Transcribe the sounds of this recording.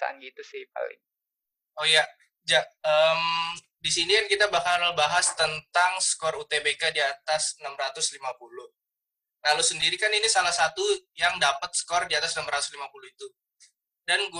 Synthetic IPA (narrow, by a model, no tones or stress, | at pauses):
sa̰a̰nɡit̪usɪhp̚a̰lɪ̰ŋ | oja | d͡ʒaʔəːm | disinijankit̪abakalbaɦast̪ənt̪aŋskɔrut̪ebekadiat̪asnamrat̪ʊslimapulʊh | lalusəndiɾikaninisalahsat̪ujaŋdapət̪̚sə̥kɔrdiat̪asnamɾat̪ʊ̥slimapuluhit̪u | danɡ